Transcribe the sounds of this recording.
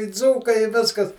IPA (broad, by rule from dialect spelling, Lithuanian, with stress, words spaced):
ɪ ˈd͡zuːkɐɪ ɪ ˈʋʲɪskɐs